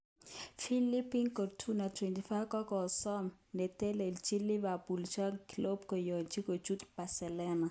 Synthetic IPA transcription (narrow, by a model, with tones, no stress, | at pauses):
fi˦li˦pi˦ŋko˨tʰu˦na˨tʰwɛ˨nti˨fa˦kɔ˦kɔ˨sɔ˦mnɛ˨tɛ˦le˨lt͡ʃi˦li˦βa˨bu˨lt͡ʃa˦kilo˦b̚kɔ˨jɔ˨t͡ʃi˦ko˨t͡ʃu˦t̪pa˨sɛ˨lɛ˦na˨